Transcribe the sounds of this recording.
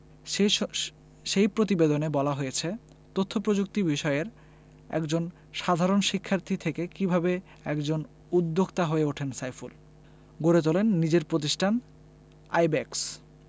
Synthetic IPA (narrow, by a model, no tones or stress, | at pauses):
ʃejpɾot̪ibed̪onebɔlaɦojet͡ɕʰe | t̪ot̪ʰːopɾod͡ʑuk̚t̪ibiʃɔeeɾ | ɛ̰kd͡ʑon | ʃad̪ʱaɾonʃikʰːaɾt̪ʰit̪ʰekekibʱabe | ɛkd͡ʑon | ud̪ːoɡt̪aɦoeuʈʰensajful | ɡoɾet̪olenːid͡ʑeɾpɾot̪̬iʃʈʰan | a̰jbɛks